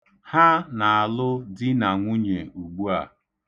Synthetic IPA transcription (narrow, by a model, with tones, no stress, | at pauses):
ha˦na˨a˨lʊ˦dɪ˦na˨ŋʷʊ˦ɲe˨u˨ɡ͡bu˦a̰˨